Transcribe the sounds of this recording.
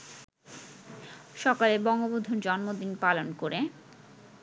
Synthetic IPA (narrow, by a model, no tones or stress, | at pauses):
ʃɔkalebɔŋɡobod̪ʱoɾd͡ʑɔnmod̪inpalonkoɾe